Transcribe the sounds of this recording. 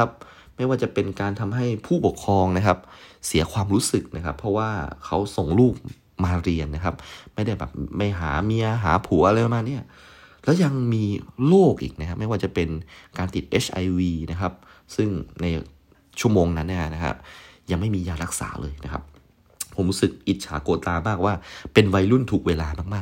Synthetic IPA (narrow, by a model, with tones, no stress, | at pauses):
a˦˥p̚ | ma˥˩jwaː˥˩t͡ɕa˨˩pe˧nkaː˧nt̪ʰa˧mɦa˥˩jpʰuː˥˩po˨˩kʰɾɔː˧ŋna˦˥kʰa˦˥p̚si˩˦ɐkʰwaː˧mɾuː˦˥sɯ˨˩k̚na˦˥kʰa˦˥pʰɾɔ˦˥waː˥˩kʰa˦˥wso˨˩ŋluː˥˩k̚ | maː˧ɾi˧ənːa˦˥kʰa˦˥p̚ma˥˩jda˥˩jbɛ̰ː˨˩p̚ma˥˩jɦa̰ː˩˦miː˧ʔaː˧ɦa̰ː˩˦pʰuː˩˦ʔa˧ɾa˧jpʰɔ˨˩maː˧ni˥˩ɐ | lɛː˦˥wja˧ŋmiː˧loː˥˩k̚ʔḭː˨˩k̚na˦kʰa˦˥ma˥˩jwaː˥˩t͡ɕa˨˩pe˧nkaː˧nt̪i˨˩t̪̚ʔe˦˥t͡ɕʰʔa̰˧jwiː˧na˦˥kʰa˦˥p̚ | sɯ˥˩ŋna˧j | t͡ɕʰu˥˩əmoː˧ŋna˦˥nːa˥˩˥na˦˥kʰa̰˦˥p̚ja˧ŋma˥˩jmiː˧jaː˨˩ɾa˦˥k̚sa̰ː˩˦lʔɤː˧jna˦˥kʰa˦˥p̚ | pʰo˩˦mɾuː˦˥sɯ˨˩k̚ʔi˨˩t̪̚t͡ɕʰaː˩˦koː˧t̪aː˧maː˥˩k̚waː˥˩pe˧nwa˧jlu˥˩nt̪ʰu˨˩k̚weː˧laː˧maː˥˩k̚maː˥˩k̚